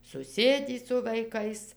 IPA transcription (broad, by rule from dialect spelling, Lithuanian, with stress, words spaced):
sʊˈsʲeːdʲiː sʊ ʋɐɪˈkɐɪs